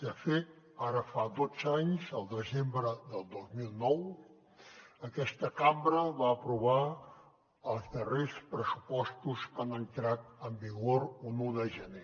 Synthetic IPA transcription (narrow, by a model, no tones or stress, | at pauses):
d̪əfet̪ | aɾəfad̪od͡zaɲzəlˠd̪əzembɾəðəlˠd̪ozmilˠnɔw | əkɛst̪əkambɾəβaəpɾuβa | əlˠzðərespɾəsupɔst̪uskanəŋk̪ɾat̪əmbiɣoɾunuðəʒəne